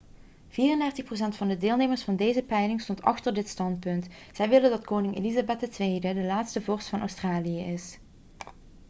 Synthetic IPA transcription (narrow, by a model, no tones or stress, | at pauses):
v̥iːrəndɛɹtəxpros̬ɛntfɑndədɪːlˠnejməɹsfɑndejzəpɛjlɪŋstɔntɑ̰xtəɹdɪtstɑnt̚pɵntsɛjʋɪləndɑtkownɪŋḛlizabɛt̚dətʋejdədəlaːtstəvɔrstfɑnʔœ̰wstraːlijəʔɪs